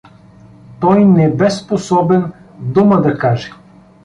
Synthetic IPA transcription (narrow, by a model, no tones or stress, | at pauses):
t̪ɔjnɛbɛsposɔbɛnd̪uməd̪ɐkaʒɛ̥